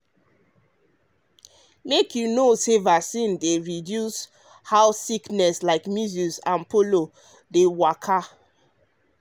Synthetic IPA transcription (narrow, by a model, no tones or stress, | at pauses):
mekjunosevasĩndeɹidjus | haʊsiknɛslaɪkmuzusãnpolo | dewakʰa